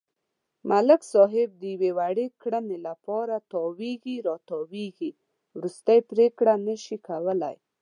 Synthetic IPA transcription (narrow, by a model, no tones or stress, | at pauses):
maləksɑɦɪb̚d̪əjwewaɽekɽənelapɑɾat̪ɑweɡiɾɑt̪ɑweɡi | wɾust̪əjpɾekɽanəʃikawəla̰j